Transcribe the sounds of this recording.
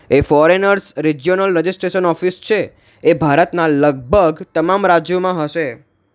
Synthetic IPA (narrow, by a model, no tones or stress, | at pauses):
efɔɾenəɾsɾid͡ʒijonəlɾəd͡ʒisʈɾeʃənɔfist͡ʃʰeː | bʱaɾət̪naləɡ̚bʱəɡt̪əmamɾad͡ʒjomãɦəʃe